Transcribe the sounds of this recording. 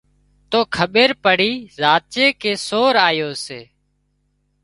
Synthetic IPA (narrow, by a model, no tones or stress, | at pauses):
t̪oːkʰəɓeːɾpəɽiːzaːt͡ʃeːkeːsoːɾaːjoːseː